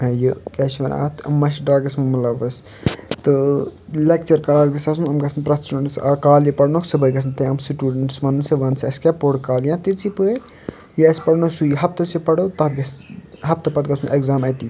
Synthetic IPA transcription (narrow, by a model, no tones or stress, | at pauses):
jəkɛʃmɐnʔa̰ːt̪ʰmɐʃɖɾaːɡɐsmɐmulɐʋɐs | t̪ɨlek̚t͡ʃɐɾkɐlaːlɡɐsɐsunɐmɡɐsʰnpɾɐt̪t͡ʃɐnɐsɐkaːljipɐɽnoksɨbəjɡɐs̬ʰnt̪ɐjɐmsiʈuːɖɐɳʈsʋɐnɨsɨʋɐnsɐskʲaːpoːɽkaːljãːt̪it͡sipɨet̪ | jəɐspɐɽnosujɦɐp̚t̪ɐsipɐɽot̪ɐt̪̚ɡɐsɦɐp̚t̪ɐpɐt̪̚ɡɐsʰuneɡzaːmɐt̪i